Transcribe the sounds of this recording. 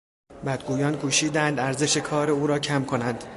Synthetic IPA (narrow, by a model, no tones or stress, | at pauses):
bæd̪̚ɡuːjɒːnkʰuːʃiːd̪ænd̪æɾze̞ʃe̞kʰɒːɾe̞uːɾɒːcʰæmkʰo̞nænd̪̥